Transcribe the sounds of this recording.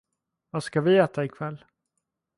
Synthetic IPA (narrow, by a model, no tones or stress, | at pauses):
vaskavɪɛːt̪ʰaɪkʰvɛlː